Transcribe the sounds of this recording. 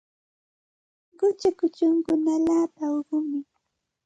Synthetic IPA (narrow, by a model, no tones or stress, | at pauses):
ɢʊt͡ʃakʊt͡ʃʊŋkʊnalaːpaoɢʊmɪ